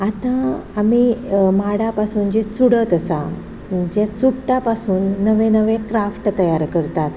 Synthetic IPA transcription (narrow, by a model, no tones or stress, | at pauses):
at̪ãːmimaɽapasuːnd͡ʑet͡suɽət̪əsa | d͡ʑat͡sukʈapasuːnːəʋẽnəʋẽkɾafʈt̪əjaɾkəɾt̪at̪